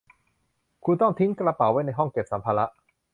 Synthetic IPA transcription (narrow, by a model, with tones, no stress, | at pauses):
kʰu˧nt̪ɔ˥˩ŋt̪ʰi˦˥ŋkla˧pa˨˩˦wa˦˥jna˧jɦɔ˥˩ŋke˨˩p̚sa˩˦mpʰaː˧la˦˥ʔ